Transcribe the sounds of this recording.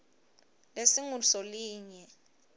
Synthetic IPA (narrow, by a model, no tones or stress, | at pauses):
lesiŋusɔliːɲɛ